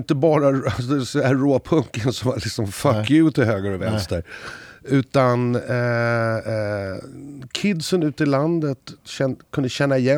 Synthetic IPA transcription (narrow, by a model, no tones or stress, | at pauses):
nt̪əbɑːɾaassæːoːpʰɵŋkənsɔmvalɪksɔmfakːjʉ̟ːt̪ɪɦøːɡaɾɔvɛnst̪əɾʉ̟ːt̪an | kʰɪd̪sənʉ̟ːt̪ɪland̪ət̪ɕɛnkʰɵnd̪əɕɛnːaɪjɛ